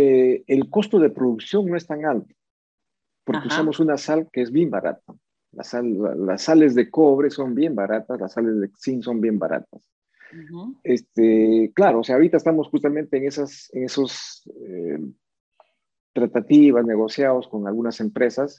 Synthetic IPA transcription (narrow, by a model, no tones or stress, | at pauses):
eelko̞st̪oð̞e̞pɾoðuksjo̞ŋno̞e̞st̪aŋalt̪o̥ | po̞ɾkeusamo̞sunasalkeezβje̞mbaɾa̰t̪̚a | la̰sala̰la̰sːale̞zðe̞ko̞β̞ɾe̞so̞mbje̞mbaɾat̪aslasale̞zðesinso̞mbje̞mba̰ɾa̰t̪as | est̪eklaɾoːseaoɾit̪aest̪amosxust̪amẽ̞nt̪eːŋesaseŋe̞sose | t̪ɾat̪at̪iβazne̞ɣ̞o̞sjaðosko̞ŋalɣunase̞mpɾe̞sas